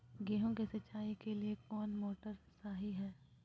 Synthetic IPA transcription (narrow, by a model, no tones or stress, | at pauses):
ɡeːɦõkesɐt͡ʃʃaːikeliekɔːnmoːʈəɾsaːɦiɦɛː